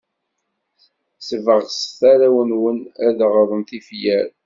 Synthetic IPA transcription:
səvəʁsθæɾæwənwənæðʁðˤənθifjæɾ

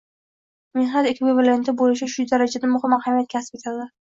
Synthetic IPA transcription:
menhad̪ekʰʲɪbɪvalajant̪ʰabolɪʃaʃʊd̪aɾad͡ʒad̪amʊχɪmːahamijat̪kʲʰasɪ̥p̚ʰʲet̪ʰad̪ɪ

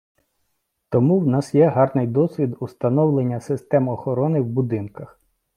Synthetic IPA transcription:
t̪ɔmuwnɑsjɛɦɑrnɪjd̪ɔsʲʋʲid̪ʊst̪ɐnɔwlˠenʲːɐsɪst̪ɛmɔxɔɾɔnɪwbʊd̪ɪnkɐx

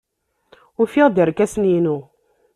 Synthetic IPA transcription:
ʊfiʁd̪iɾkːæsninu

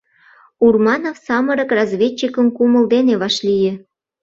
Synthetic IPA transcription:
urmɑnofsɑməɾə̆krɑzvʲet͡ɕːikə̆mkuməld̪eneβɑʃlijĕ

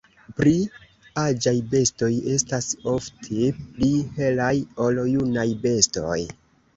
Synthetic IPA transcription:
pɾi | ad͡ʒajbe̞sto̞je̞staso̞ftʰeplihe̞lajo̞ljunajbe̞sto̞̰j

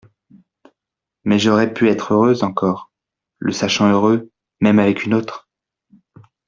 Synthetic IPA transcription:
mɛʒɔʁɛpyɛt̪χøʁøzɑ̃kɔːʁ | lʔəsaʃɑ̃øʁø | mɛmavɛkynot̪χ

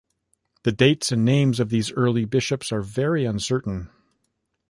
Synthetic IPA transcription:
ðɨdeɪtsɨ̃nːẽɪ̃mzʌvðizɜ˞lˠibɪʃɨpsə˞vɛɹiʌ̃nsɜ˞ʔn̩

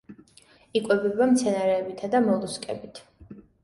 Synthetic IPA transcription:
ikʼwɛbɛbamt̪sʰɛnaɾɛːbit̪ʰad̪amɔlˠuskʼɛ̰bit̪ʰ

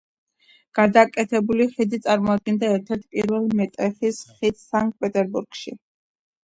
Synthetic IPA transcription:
ɡ̥ad̪akʼɛt̪ʰɛbuliχid̪it̪sʼaɾmɔad̪̚ɡɛnd̪aɛɾt̪ʰɛɾt̪ʰpʼiɾvɛlˠmɛt̪ʼɛχisχit̪saŋk̪̚ʼpʼɛt̪ʼɛɾbuɾɡ̥ʃḭ

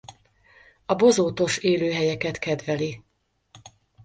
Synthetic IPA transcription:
ɒbo̞zoːt̪o̞ʃeːløːɦɛjɛkɛt̪kɛd̪vɛli

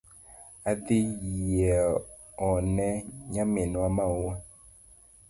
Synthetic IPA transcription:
aðɪɛ | ɔnɛɲamenwamauwa

